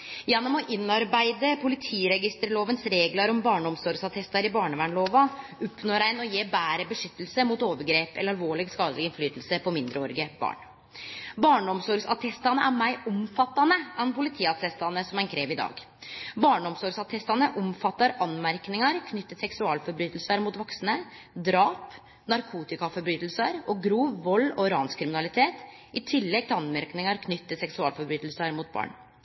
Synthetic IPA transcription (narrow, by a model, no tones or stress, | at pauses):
jɛnːɔmɔʔɪnːɑɾbæɪd̪əpʰʊlɪt̪ʰiːɾɛɡɪst̪əɾloːʋənsɾeːɡlɑɾɔmbɑːɳəɔmsɔɾsɑt̪ʰɛst̪ɑɾɪbɑːɳəʋæːɳɭoːʋɑɔpnoːɾæɪnɔjeːbæːɾəbəʂʏt̪ːəlsəmuːt̪oːʋəɾɡɾeːpɛ̰ləɾɑlʋoːɭɪɡskɑːd̪əlɪɡɪnflyːt̪lsəpʰɔmɪnd̪ɾʔəɔɾɡəb̥ɑ̰ːɳ | bɑːɳəɔmsɔɾɡsɑt̪ʰɛst̪ɑnəʔæɾmæɪʔɔmfɑt̪ːɑnəɑnpʰʊlɪt̪ʰiːɑt̪ʰɛst̪ɑnəsɔmæɪnkʰɾeːʋɪd̪ɑ̰ːɡ | bɑːɳɔmsɔɾɡsɑt̪ʰɛst̪ɑnəʔɔmfɑt̪ːɑɾɑnmæɾknɪŋɑɾkʰnʏt̪ːət̪sɛksʉɑːlfɔɾbɾyːt̪lsəɾmuːt̪ʋɔksnə | d̪ɾɑːp | nɑɾkʰuːt̪ɪkɑfɔɾbɾyːt̪l̩sɑɾɔɡɾuːʋʋɔlːɔɾɑːnskʰɾɪmɪnɑlɪt̪ʰeːt̪ | ɪt̪ʰɪlːɛɡ̚t̪ʰɪlɑnmæɾknɪŋɑɾkʰnʏt̪ːəsɛksʉɑːlfɔɾbɾyːt̪lsəɾmuːt̪̚bɑ̰ːɳ